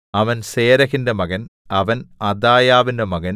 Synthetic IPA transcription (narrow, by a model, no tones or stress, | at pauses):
ɐʋɐnseːɾɐɣindemɐɣɐn | ɐʋɐnɐd̪aːjaːʋindemɐɣɐn